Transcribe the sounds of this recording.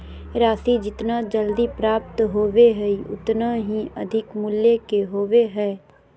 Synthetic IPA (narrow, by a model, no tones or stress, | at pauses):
ɾaːsid͡ʒɪt̪nad͡ʒəld̪ipɾaːp̚t̪ɦoːʋeɦɛiʊ̰t̪naɦiɐ̰d̪ʱɪkmʊljekeɦoːʋeɦɛː